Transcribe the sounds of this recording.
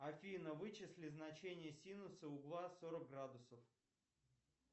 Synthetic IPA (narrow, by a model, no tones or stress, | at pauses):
ɐfʲinəvɨt͡ɕɪsʲlʲɪznɐt͡ɕenʲɪjəsʲinʊsəʊɡlˠasoɾək̚ɡɾad̪ʊsəf